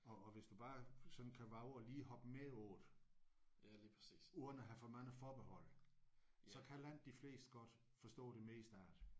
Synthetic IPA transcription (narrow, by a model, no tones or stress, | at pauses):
ɒ̽ːʋe̝sd̥ub̥ɑ̈ːsɒ̽nn̩kʰæʋɑ̈ʊɒliːhɒ̽b̥əmeɔːð̥ˠ | uðˠɐnæɦæfɒmæn̩fɒːb̥ehɒ̽l̰ | sɒ̽kʰælænd̥ifle̝̰ːsd̥ɡ̥ɒ̽d̥ | fɒ̽sd̥ɔ̰̽ːd̥e̝meisd̥ɑ̰̈ːd̥